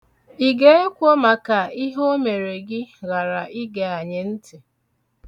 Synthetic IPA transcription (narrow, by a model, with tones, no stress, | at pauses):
i˨ɡe˦e˦kʷo˦ma˨ka˨i˦ɦo˦me˨ɾe˨ɡɪ˦ɣa˨ɾa˨i˦ɡe˨a˨ɲe˨n̩˦tɪ˨